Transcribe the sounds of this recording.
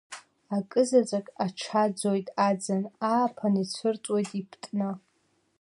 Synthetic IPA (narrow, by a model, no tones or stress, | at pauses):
akʼɨzat͡sʼakʼaʈ͡ʂʰad͡zojtʼad͡zanaːpʰanit͡ɕʷʰɨrt͡sʷʼwojtʼipʰtʼnɨ